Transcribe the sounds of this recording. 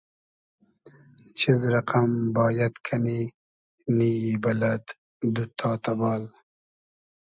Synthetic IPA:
t͡ʃʰizɾɐqambɑːjat̪kʰani | niibɐlad̪ | d̪ut̪ʰɑːt̪ɐbɑːl

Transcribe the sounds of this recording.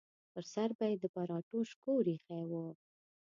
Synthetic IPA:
pəɾsaɾbajed̪ːəpɑɾɑʈoʃkoɾixawu

